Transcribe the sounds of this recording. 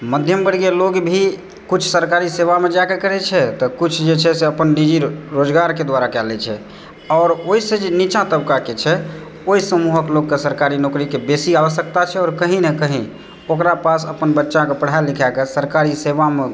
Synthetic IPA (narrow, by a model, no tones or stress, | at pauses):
məd̪ʱjəmbəɽɡeloɡbʱi | kut͡ʃʰsəɾkaɾiseʋamed͡ʒakekəɾɛt͡ʃʰɛt̪ɔkut͡ʃʰd͡ʒet͡ʃʰɛseəpənnid͡ʒiɾod͡ʒɡaɾked̪waɾakɛlɛt͡ʃʰɛ̰ | ɔːɾoised͡ʒenit͡ʃãt̪əbkaket͡ʃʰɛ | oisəmuɦəkloɡːesəɾkaɾinokɾikebesialsəkt̪at͡ʃʰɛɔːɾkəɦĩnekəɦĩ | okɾapasəpənbətːʃãkepəɽ̤aelikʰɛkesəɾkaɾisebame